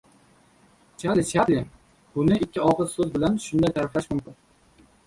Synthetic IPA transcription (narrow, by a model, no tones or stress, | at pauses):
t͡ʃʰalɪt͡ʃʰaɾlɪn | bʊnɪɪkʲʰːɪɒqɨsɵzbɪlanʃʊnd̪ajt̪ʰaɾɪflaʃmʊmkʲɪn